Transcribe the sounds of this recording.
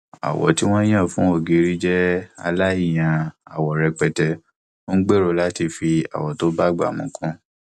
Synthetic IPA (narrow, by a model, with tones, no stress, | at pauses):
a̰˨wɔ̰˨˦ti˦w̃ɔ̃˦j̃ã˦˨fũ˦o˦˨ɡi˧ɾi˦d͡ʒɛ˦a˧la˦i˦˨j̃ã˧a̰˨wɔ˨ɾɛ˧k͡pɛ˨tɛ˧ | o˦n̩˦ɡ͡be˦˨ɾo˧la˨˦ti˧fi˧a̰˨wɔ˨to˦ba˦˨ɡ͡ba̰˦˨mũ˨˦kʰũ˦